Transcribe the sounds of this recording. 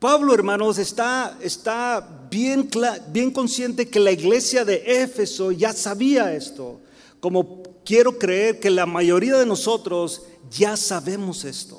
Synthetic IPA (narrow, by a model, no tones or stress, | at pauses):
paβlo̞eɾmãno̞s̬e̞st̪aest̪a | bjeŋklabje̞ŋko̞nsje̞nt̪e̞ke̞laiɣle̞sjaðe̞ʔefe̞so̞ʝasaβiae̞st̪o̞̰ | ko̞mo̞kje̞ɾo̞kɾe̞eɾke̞lamaʝo̞ɾiaðe̞no̞so̞t̪ɾo̞z | ʝasaβe̞mose̞st̪o̥̰